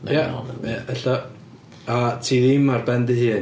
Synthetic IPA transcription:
jaaɛɬa | atʰiːðimarbɛndɨhiː

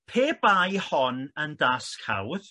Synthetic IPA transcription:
pʰeːbajhɔnəndaːskʰa̰wð

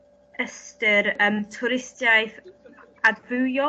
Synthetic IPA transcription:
əstəɾəmtʰʊɾɪstjajθ | advɨwjɔ

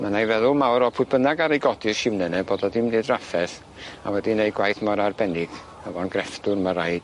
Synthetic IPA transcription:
manajvɛðʊlˠmawɾɔpʰʊɨbənaɡaɾejɡɔdɪrʃɪmnɛnɛboːdɔdɪmnɨːdrafɛθ | a̰wɛdinejɡwajθmɔɾarbɛnɪɡ̥ | ɛvɔnɡrɛfd̥ʊrmaɾajd̥

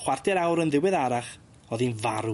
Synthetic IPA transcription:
χwardʰɛɾawɾənðɪwɛðaɾaχ | ɔðinvaɾu

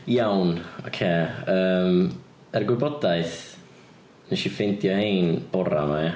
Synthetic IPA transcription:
jawnɔ̰kʰeəːm | ɛrɡwɪbɔdaɨθ | nɛʃifentjɔhejnb̥ɔɾa̰ma

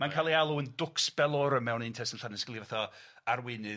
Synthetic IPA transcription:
mankʰalˠialˠuəndʊksb̥ɛlˠɔɾəmɛwnɪntʰɛsənɬanɛskɪlˠivaθɔ | aɾwɪnɨ

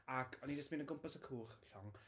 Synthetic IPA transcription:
akʰɔnid͡ʒəsminənɡʊmpasəkʰuːrɬɔŋ

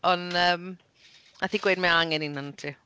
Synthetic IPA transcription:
ɔnəːm | aθiɡwedmɛaŋɛninantʰi

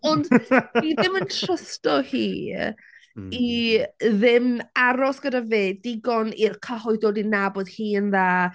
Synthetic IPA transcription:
ɔndiðɪməntʰrəstɔhiː | i | ðɪmaɾɔsɡ̥ədaveːdɪɡɔnirkʰəɦɔɨdɔdinabɔd̥hiːənðaː

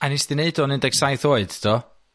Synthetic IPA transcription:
anisdɪneɨdɔnɪndɛɡsajθoːɨd̥dʰɔ

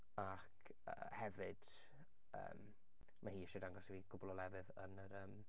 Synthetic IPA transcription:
akʰ | ə̰hɛvɨd̥ | ə̰ːm | mahiːɛʃɛdaŋɡɔsiviɡ̥ʊbʊlˠɔlˠɛvɨðə̰nəɾəm

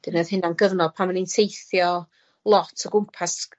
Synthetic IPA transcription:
d̥ɪnəð̥hɪnanɡəvnɔd̚pʰaməninsʰejθjɔ | lˠɔtʰəɡʊmpʰas

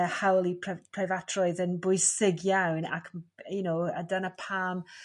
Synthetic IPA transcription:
hawlˠipʰpʰrɛvatʰrɔɨðənbʊɨsɪɡjawna̰kʰmjunowədənəpʰaːm

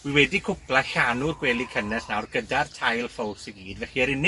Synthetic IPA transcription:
wiwɛdikʰʊpʰlˠaɬanʊrɡwɛːlˠikʰənɛsnawrɡədartʰajlˠfɔwsəɡiːdvɛχiɛɾɪnɪ

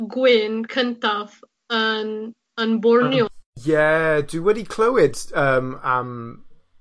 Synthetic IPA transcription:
ɡwɪnkʰəntav | ən | ənbʊɹnjɔjɛdɨwɛɾikʰl̥owɪdəːmam

